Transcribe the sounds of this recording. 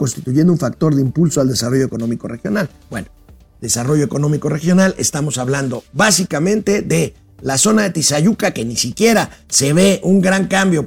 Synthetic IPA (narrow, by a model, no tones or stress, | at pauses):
ko̞nst̪it̪uʝe̞nd̪ounfak̚t̪o̞ɾðeimpulsoald̪esaro̞ʝo̞eko̞nõ̞miko̞re̞xjo̞nal | bweno | d̪e̞saro̞ʝo̞eko̞no̞mikore̞xjo̞nale̞̰st̪amo̞saβland̪oβasikamẽnt̪e̞ðe̞ | laso̞naðe̞t̪isaʝukake̞nisikje̞ɾase̞β̞e̞ʔuŋɡɾaŋkambjo̞